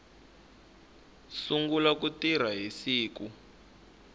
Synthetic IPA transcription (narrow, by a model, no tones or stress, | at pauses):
suŋɡulak̬utir̤aɦisiːku